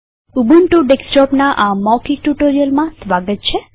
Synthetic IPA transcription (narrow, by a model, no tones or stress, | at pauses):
ubuɳʈuɖeksʈɔpnaʔamɔkiʈuʈoɾijəlmãsʋaɡət̪̚t͡ʃʰe